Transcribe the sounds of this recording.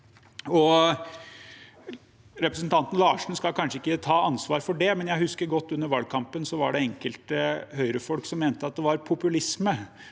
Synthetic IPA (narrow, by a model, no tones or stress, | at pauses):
ɔ | ɾɛpɾəsnt̪ʰɑnt̪n̩lɑːʂɳ̩skɑlkʰɑnʂəɪkːət̪ʰɑːɑnsʋɑːɾfɔɖɛmɛnjæɪhʉskəɾɡɔt̪ːʉnːəɾʋɑlɡ̚kʰɑmpənsɔʋɑɖɛɛŋkəlt̪əhœʏɾəfɔlksɔmːeːnt̪əɑt̪̚d̪ɛʋɑɾpʰʊpʉlɪsmə